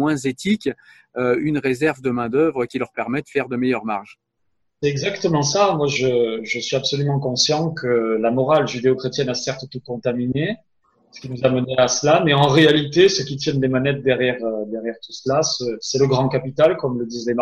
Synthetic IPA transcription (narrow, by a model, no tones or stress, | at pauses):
wɛ̃zet̪ʰikʲ | øynʁezɛʁvd̪əmɛ̃d̪œvʁəkʲilœʁpɛʁmɛd̪əfɛʁd̪əmɛjœʁmaʁʒ | sɛt̪ɛɡzakt̪əmɑ̃samwaʒəʒəsɥiabsɔlymɑ̃kɔ̃sjɑ̃kʰəlamɔʁalʒyd̪eokχet̪jɛnasɛʁt̪ət̪ukɔ̃t̪amine | sə̥kʲinuzaməneasəlamɛɑ̃ʁealit̪esəkʲit̪jɛnd̪emanɛt̪̚d̪ɛʁjɛʁød̪ɛʁjɛʁt̪usəlasəsɛləɡʁɑ̃kapit̪alkɔmləd̪izlem